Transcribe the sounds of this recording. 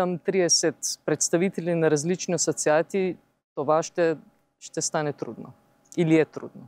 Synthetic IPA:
amt̪ɾid̪ɛsɛt̪pɾɛt̪st̪aʋit̪ɛlʲinaɾazlit͡ʃniasɔt̪siaːt̪i | t̪ɔʋaʃt̪ɛ | ʃt̪ɛst̪aːnɛt̪ɾṵd̪nɔ | ilijɛt̪ɾṵːd̪nɔ

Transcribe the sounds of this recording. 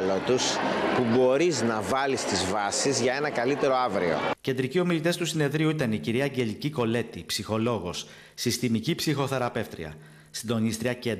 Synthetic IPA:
lot̪uspubo̞ɾiznɐvɐlist̪izvɐsizʝɐe̞nɐkɐlit̪e̞ɾo̞ɐvɾḭo̰ce̞nd̪ɾicio̞milit̪est̪usine̞ðɾiuit̪ɐniciɾiɐːɲɟe̞liciko̞le̞t̪ipsixo̞lo̞ɣo̞s | sist̪imicipsixo̞θeɾɐpe̞ft̪ɾḭɐ̰ | sind̪o̞nist̪ɾiɐce̞nd̪

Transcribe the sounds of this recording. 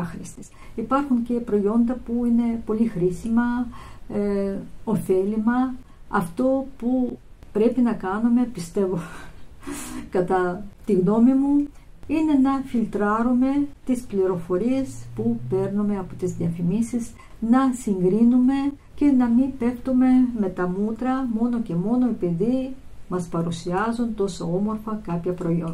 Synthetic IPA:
xɾist̪is | ipɐɾxuɲce̞pɾo̞jo̞nd̪ɐpuine̞po̞lixɾisimɐ | ofe̞limɐ | ɐft̪o̞pupɾe̞pinɐkɐnume̞pist̪e̞vo̞ | kɐt̪ɐt̪iɣno̞mimu | ine̞nɐfilt̪ɾɐɾume̞t̪ispliɾo̞fo̞ɾie̞spupe̞ɾnume̞ɐpot̪izðiɐfimisiz | nɐsiŋɡɾinume̞ | ce̞nɐmipe̞kt̪ume̞me̞t̪ɐmut̪ɾɐmo̞no̞ce̞mo̞no̞ipeðimɐspɐɾusiɐzunt̪o̞soo̞mo̞ɾfɐkɐpçɐpɾo̞ion

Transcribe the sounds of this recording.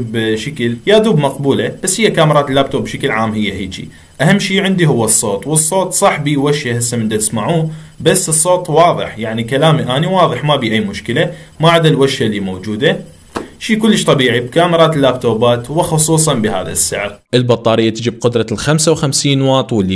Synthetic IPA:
bʃakəljaːðuːbmɑqbuːlab̥asːhɪjːakaːmɪɾˤɑːt̪lːaːb̚t̪oːbbʃakɪlʕaːmɦɪjːaɦid͡ʒḭ | ʔahamːʃiːʕɪnd̪iɦʊwːasˤːoːt̪ˤwɨsˤːoːt̪ˤsˤɑħbiwaʃahɪsːamɪnd̪at̪ɪsmaʕuːbasːɨsˤːoːt̪ˤwɑːðˤɨ̰ħjaʕnikalaːmiʔaːniwɑːðˤɨħmabiːʔajːmʊʃkəla | maʕad̪alwaʃalːimoːd͡ʒuːd̪a | ʃiːkʊlːəʃt̪ˤɑbiːʕibkaːmɪɾˤɑːt̪ɪlːaːb̚t̪oːbaːt̪wɪxʊsˤuːsˤɑnbɪɦa̰ːða̰sːɪ̰ʕɾʔɪlbɑt̪ˤːɑːɾɪjːat̪ɪd͡ʒɪb̚qʊd̪ɾˤɑlxamsawxamsiːnwɑːt̪ˤwɪlːi

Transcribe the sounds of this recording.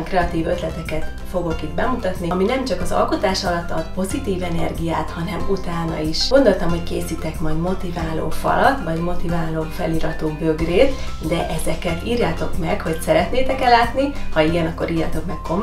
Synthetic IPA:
ŋkrɛɒt̪iːvøt̪lɛt̪ɛkɛt̪ | fo̞ɡo̞kid̪bɛmut̪ɒt̪niminɛmt͡ʃɒkɒzɒ̰lko̞t̪aːʃɒlɒt̪ːɒd̪po̞zit̪iːvɛnɛ̰rɡijaːt̪hɒnɛmut̪aːnɒ̰iʃɡo̞nd̪o̞lt̪ɒmho̞ckeːsiːt̪ɛkmɒjd̪mo̞t̪ivaːlo̰ːfɒ̰lɒt̪ːvɒɟmo̞t̪ivaːloːfɛ̰liːɾɒt̪oːbø̞ɡreːt̪ | d̪ɛʔɛzɛkɛt̪iːrjaːt̪o̞kmɛkho̞csɛɾɛt̪neːt̪ɛkɛlaːt̪nihɒiɡɛnɒkːo̞ɾiːrjɒt̪o̞kmɛkːo̞m

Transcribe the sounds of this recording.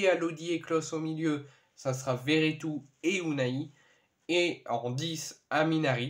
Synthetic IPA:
ealod̪ieklɔsomiljø | sasəʁaveʁet̪ueunai | eɑ̃d̪isaminaʁi

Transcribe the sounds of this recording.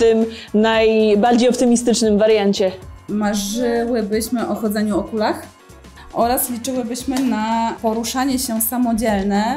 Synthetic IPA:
t̪ɘm | najbaɾd͡ʑejɔpt̪ɘmʲist̪ɘt͡ʂnɘmvaɾjaɲt͡ɕɛmaʐɘwɘbɘɕmɘʔɔxɔd̪zɛɲuɔkulax | ʔɔɾaslʲit͡ʂɘwɘbɘɕmɘnapɔɾuʂaɲɛɕɛsamɔd͡ʑɛlnɛ

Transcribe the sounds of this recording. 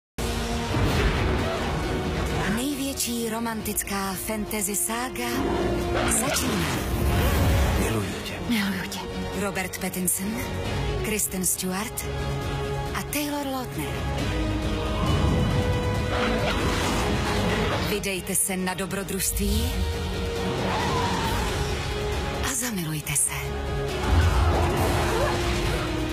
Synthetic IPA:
nɛjvjɛt͡ʃiːɾo̞mant̪ɪt͡skaːfɛnt̪ɛzɪsaːɡa | zat͡ʃiːnaː | mɪlujṵcɛmɪɦujucɛɾobɛɾt̪pɛt̪ɪnsn | kɾɪst̪ɛnst̪uaɾt̪ | ʔat̪ɛjloɾlot̪nɛɾ | vɪdɛjt̪ɛsɛnadobɾod̪ɾuʃst̪viː | ʔazamɪlujt̪ɛsɛ

